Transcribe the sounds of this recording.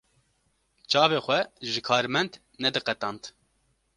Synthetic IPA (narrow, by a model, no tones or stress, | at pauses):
t͡ʃɑːveːxʷɛʒɨkʰɑːɾmɛnd̪ | nɛd̪ɨqɛt̪ɑːnt̪